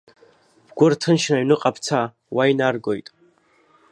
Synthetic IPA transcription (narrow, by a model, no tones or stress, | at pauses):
b̥ɡʷʊrtʰɨnʃnaɥnɨqʼapʰt͡sʰa | wajnarɡo̞jtʼ